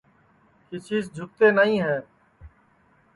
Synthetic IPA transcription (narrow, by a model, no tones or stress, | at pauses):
kɪt͡ʃʰiːzd͡ʒʱʊk̚t̪eːnəɦĩːɦɛː